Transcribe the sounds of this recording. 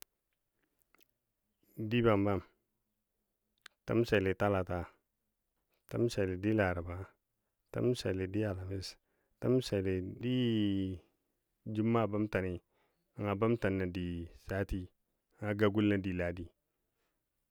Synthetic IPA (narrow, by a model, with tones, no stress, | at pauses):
di˦ba˨mba˦˨m | ta̰˦m˦sa˨le˨ta˦la˨ta˨ | ta˦m˦sa˨le˨di˦la˨ɾa˨ba˨ | ta̰˦m˦sa˨le˨di˦a˨la˨mi˦s | ta˦m˦sa˨le˨di˦ | d͡ʒu˦mːa˦˨ba˦mta˨ni˨ | ŋa˨ba˦mta˨nːa˨di˨sa˦ti˦˨ | ŋa˨ɡa˦ɡu˦lna˦di˨la˨di˨